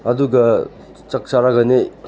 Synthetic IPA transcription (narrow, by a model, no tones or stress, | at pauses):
ɐduɡɐ | t͡ʃɐk̚t͡ʃaɾaɡɐne